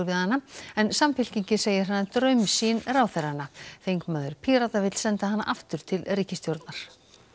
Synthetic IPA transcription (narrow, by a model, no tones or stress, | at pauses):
ɾvɪðhanːaɛnsamfɪl̥ciɲcɪseːjɪɾ̥ɦanːat̪ɾœɥmsinɾaːwθɛɾanːaθejŋkmaːðʏɾ̥pʰiːɾat̪avɪt̪l̥sɛnt̪aɦanːa̰ʔaft̪ʏɾ̥t̪ʰɪlriːcɪst̪jowɾt̪naɾ̥